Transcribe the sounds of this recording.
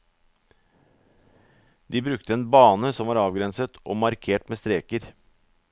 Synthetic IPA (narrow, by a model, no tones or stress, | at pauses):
d̪iːbɾʉk̚t̪əeːnbɑːnəsɔmʋɑːɾɑːʋɡɾɛnsət̪ʰʔoːmɑɾkʰeːʈmeːst̪ɾeːkəɾ